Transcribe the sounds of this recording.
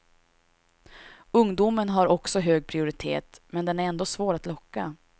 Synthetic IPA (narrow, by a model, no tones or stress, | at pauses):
ɵŋd̪uːmənɦaɾɔksɔɦøːɡ̚pʰɾɪʊɾɪt̪ʰḛːt̪mɛnd̪ɛnæɾɛnd̪oːsvoːɾat̪lɔkːa̰